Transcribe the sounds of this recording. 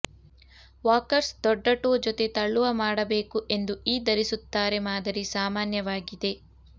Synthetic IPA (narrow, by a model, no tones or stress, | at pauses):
ʋaːkɐɾsd̪ɔɖːɐʈoːd͡ʒɔt̪e̞t̪ɐɭːuʋɐmaːɽɐbe̞ːkuʔe̞nd̪uiːd̪ɐɾisut̪ːaːɾe̞maːd̪ɐɾisaːmaːnjɐʋaːɡid̪e̞